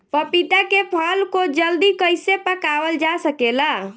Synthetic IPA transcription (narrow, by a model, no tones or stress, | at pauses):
pəpit̪akepʰəlkod͡ʒəld̪ikəjsepəkaʋəld͡ʒasəkela